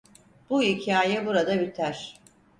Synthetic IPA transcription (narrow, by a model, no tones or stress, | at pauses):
b̥uicʰaːjɛbuɾad̪abit̪ʰæɾ̥